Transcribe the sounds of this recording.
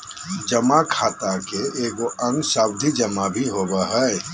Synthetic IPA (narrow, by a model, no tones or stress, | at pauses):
d͡ʒəmakʰaːt̪akeeːɡoʔə̃ŋɡsaːbd̪ʱid͡ʒɐmabʱiɦoːbəɦɛ